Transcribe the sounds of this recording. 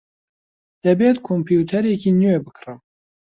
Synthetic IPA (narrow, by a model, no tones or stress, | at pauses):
d̪̥ɐbeːt̪kʰompʰjuːt̪ʰɛɾekiːnɨweːbɨkʰrɨm